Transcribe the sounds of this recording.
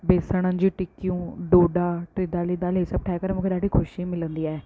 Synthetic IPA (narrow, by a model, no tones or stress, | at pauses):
beːsəɽ̃ənd͡ʒiːʈɪkijũːɖoːɖaːʈɾɪd̪aːliːd̪aːleːsəːb̚ʈʰaːɛkəɾmokʰəɾaːɖiːkʰʊʃiːmɪlənd̪iːɛː